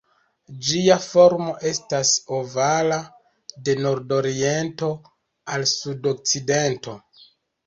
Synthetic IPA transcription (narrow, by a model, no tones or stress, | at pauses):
d͡ʒiafo̞ɾmo̞ʔe̞staso̞vala | de̞no̞ɾdo̞ɾie̞nto̞ | alsudo̞k̚t͡side̞nto̞